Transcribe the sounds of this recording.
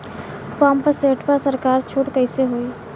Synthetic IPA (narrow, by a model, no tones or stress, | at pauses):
paːmpəseːʈpəɾsəɾkaːɾt͡ʃʰoːʈkəɪseɦoːiː